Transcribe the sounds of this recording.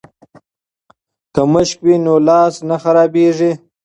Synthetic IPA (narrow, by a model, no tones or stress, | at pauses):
kəməʃkwinolɑːsnaxaɾɑːbeʐi